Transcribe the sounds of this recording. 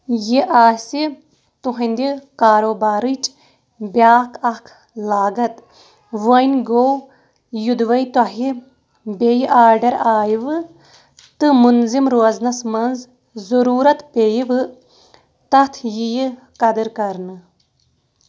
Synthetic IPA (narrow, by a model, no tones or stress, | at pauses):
jiʔaːsi | t̪uɦɐnd̪ikaːɾoːbaːɾit͡ʃ | bʲjaːkʰɐkʰ | laːɡɐt̪ | ʋɐnʲɡow | jud̪ʋɐjt̪ɐɦi | bejʔaːɾɖɐɾaːjiʋɨ | t̪ɨmunzimɾoɐznɐsmɐnz | zuɾuːɾɐt̪peːjiʋɨ | t̪ɐt̪ʰjiji | kɐd̪ɨɾkɐɾnɨ